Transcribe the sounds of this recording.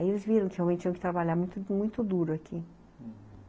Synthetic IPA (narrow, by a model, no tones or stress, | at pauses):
ielɪzviɾɐ̃w̃kɪhewmẽt̪t͡ʃĩɲ̃j̃kɪt̪ɾabaʎaɾmũj̃t̪ʊmũj̃t̪ʊd̪uɾʊakʰi